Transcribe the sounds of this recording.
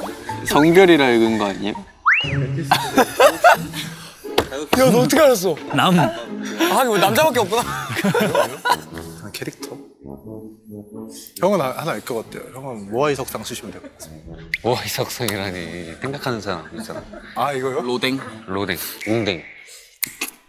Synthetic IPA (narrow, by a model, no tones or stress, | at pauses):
sʌŋbjʌɾiɾɯɭɡɯnnɡʌaɲijo | janootʰɯkeaɾʌs̬͈ʌnam | ɦaɲimonamd͡ʑabak͈eʌp̚k͈una | oankʰeɾik̚tʰʌ | çʰʌŋʌnahanaɭk͈ʌk͈atʰḛjo̰çjʌŋʌnmoaisʰʌk̚s͈aŋsʰuɕʰimɯndwek͈ʌk͈atʰemoaisʰʌk̚s͈aŋiɾaɲisʰe̞ŋɡakʰanɯnsʰaa̰ŋisʰaaiɡʌjolodeŋlodḛŋuŋdeŋ